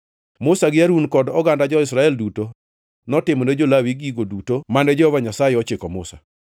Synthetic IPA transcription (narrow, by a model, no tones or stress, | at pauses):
mʊsaɡɪaɾunkɔdɔɡandad͡ʒɔɪsɾaɛlduto | nɔtɪmɔned͡ʒolawiɡiɡodutomandɛd͡ʒɔhɔvaɲasajeɔt͡ʃɪkɔmʊ̰sa̰